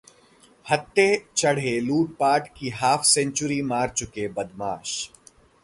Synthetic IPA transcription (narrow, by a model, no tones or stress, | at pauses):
hɐt̪ːet͡ʃɐɽ̤eluːʈ̚paːʈkiɦaːfʰsɛ̃ɲt͡ʃʊɾimaːɾt͡ʃʊkebɐd̪maːʃ